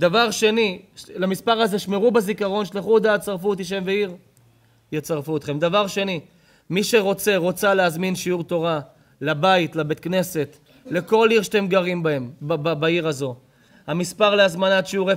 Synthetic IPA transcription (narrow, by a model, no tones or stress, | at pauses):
d̪avaʁʃe̞nilamispaʁaze̞ʃmeʁubazikaʁo̞nʃliχud̪aːt̪t͡saʁfut̪iʃ̬e̞mveiʁ | jet͡saʁfuot̪χe̞md̪avaʁʃe̞ni | miʃe̞ʁo̞t͡se̞ʁo̞t͡saleazminʃiuʁt̪o̞ʁa | labait̪labe̞t̪̚kne̞se̞t̪ | le̞ko̞liʁʃt̪e̞mɡaʁimbae̞mbbbaiʁazo̞ | hamispaʁleazmanat̪ʃiuʁe